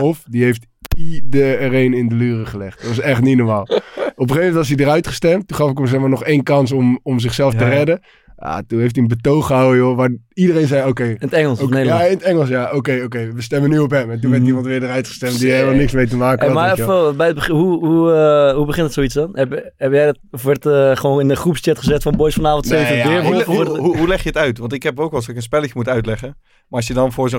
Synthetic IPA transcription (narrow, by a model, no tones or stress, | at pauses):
ɔfdiɦejft | idərejnɪndəlyːrəχəlɛχtdtʋɑsɛχtninɔɹmaːlˠɔpəχeːfmɛntʋɑs̬idəɾœɥtχə̥stɛmttuχɑfɪkmas̬ɛχmaːnɔχeːnkɑns̬ɔmɔmzɪχsɛlˠftərɛdə | ja̰tunɦeftiənbətowχəɦawəjoʋaːridərejnzɛjoːkejɪnətɛŋəl̩ˠsaɪnətɛŋəlˠsjaʔokejoːk̬ejʋəstɛmənyɔp̬ɦɛmɛnt̬unʋɛɹtimɑntʋɪːɹdərœɥtχəstɛmt̚dieləmalˠnɪksmejtəmaːkəmaɛɛlˠbɛjət̚bəɦuɦuɦubəχɪntətsowitt͡ssdɔnɛp | ɛpjɛjdtɔfʋɔɹtəχəʋoːnɪndəχrupst͡ʃɛtχəzɛtfɔnbojsfɑnaːfɔntsejvɪːɦuɦulɛχjəətœɥtʋɑntɪkɦɛpokɔlˠsɪkənspɛləkəmutœɥtlɛχə | maɑsjədɑnfors